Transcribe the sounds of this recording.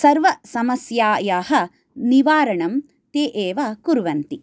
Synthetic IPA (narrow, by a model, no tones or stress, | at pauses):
sɐɾʋɐsɐmɐsjaːjaːɦɐ̆ | niʋaːɾɐɳɐm | t̪eːʔeːʋakuɾʋɐnt̪i